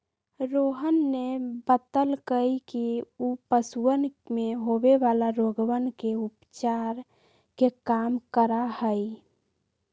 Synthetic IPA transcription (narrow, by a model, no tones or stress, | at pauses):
ɾoɦənːebət̪əlkəjkiupəsuənmeɦobeʋalaɾoɡʋənkeupt͡ʃaɾ | kekamkəɾahəj